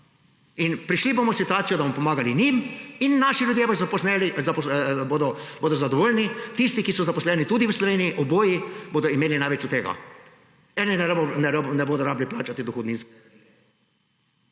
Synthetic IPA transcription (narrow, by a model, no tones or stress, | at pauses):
inpɾiʃliboːmɔsit̪uaːt̪sijɔd̪amɔpɔmaːɡaliniminːaʃilʲjud̪jebozapɔsnɛlizapboːd̪ɔboːd̪ɔzad̪ɔʋoːlʲnit̪ist̪ikisɔzapɔslɛːnit̪ud̪iwəslɔʋeːniiʔɔboːjiboːd̪ɔimeːlinajʋɛt͡ʃut̪eːɡa̰ | ɛːninɛnɛɾnɛboːd̪ɔɾaːbliplaːt͡ʃat̪id̪ɔxɔd̪ninsk